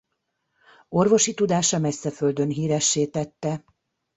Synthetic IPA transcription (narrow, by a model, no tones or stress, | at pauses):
o̞rvo̞ʃit̪ud̪aːʃɒmɛsːɛføld̪ønɦiːɾɛʃːeːt̪ɛt̪ːɛ